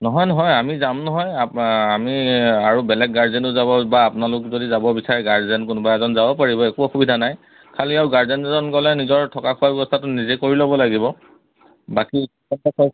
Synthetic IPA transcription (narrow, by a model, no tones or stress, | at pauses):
nɔɦɔjnɔɦɔjamizamnɔɦɔjaamiaɹubɛlɛɡɡaɹzɛnʊzabɔbaːpnalʊkzodizabɔbisaɹɛɡaɹzɛnkʊnʊbajɛzɔnzabɔpaɹibɔɛkuɔxubidʱanaj | kʰaliawɡaɹzɛnɛzɔnkɔlɛnizɔɹtʰɔkakʰuwabɛbɔstʰatʊnizɛkoɹilɔbɔlaɡibɔ | baki | ɔtakɔ